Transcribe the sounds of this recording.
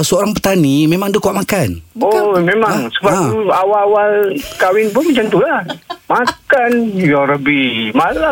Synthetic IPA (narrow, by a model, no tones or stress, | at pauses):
səoɾaŋpət̪animemaŋdəkoaʔmakanomemaŋsəbauawawalkawɪnpʊnmat͡ʃamt̪ulahmakanjɔɾəbihmala